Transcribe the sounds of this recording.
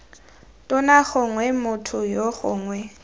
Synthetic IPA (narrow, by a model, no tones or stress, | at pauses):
tʼʊnaχʊŋwɛmʊtʰʊjoχʊ̰ːŋwɛ